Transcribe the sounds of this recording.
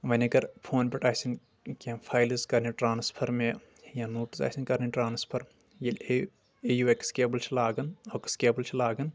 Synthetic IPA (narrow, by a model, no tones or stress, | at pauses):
ʋɐnʲɐɡɐɾpʰoːnpʲeʈaːsin | kãpʰaːjlizkɐɾniʈɾaːnspʰɐɾme | jãnoːʈisa̰ːsʲinkɐɾniʈɾaːnspʰɐɾ | jil | ejuʋekskeːbəlt͡ʃʰilaːɡɐnɐːkskeːbəlt͡ʃʰilaːɡɐn